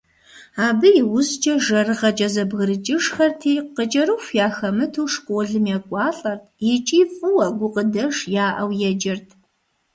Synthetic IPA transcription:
aːbɨjɪwʊzt͡ʃʼɐʒɐrɨʁɐt͡ʃʼɐzɐbɣɨɾɨt͡ʃʼɪʂxɐrtʰiːqət͡ʃʼɐɾɨxʷjaːxɐmɨtʰuːʂkʷʼoːɮɨmjɛkʷʼɑːɬʼɐrtʰjɪt͡ʃʼiːfʼɨwɐɡʷʊqədɐʂjaːʔɐwjɛd͡ʒɐrtʰ

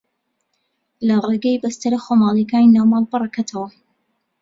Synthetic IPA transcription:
lɐreɡejbɐst̪ɐɾɐxomɑːlˠekaːninamɑlˠbɨrakʰat̪ʰɐwɐ

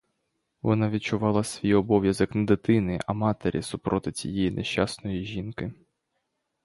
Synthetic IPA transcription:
ʋɔnɑʋʲit̪t͡ʃʊʋɑlˠɐsʲʋʲijɔbɔʋʲjɐzɔknɛd̪ɪt̪ɪnɪʔɐmɑt̪eɾʲḭsʊpɾɔt̪ɪt͡sʲḭjɛjinʔeʃt͡ʃɑsnɔjiʒʲinkɪ

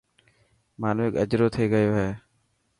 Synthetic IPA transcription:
maːnːɪkəd͡ʒɾoːt̪ʰiːɡəjoːɦeː

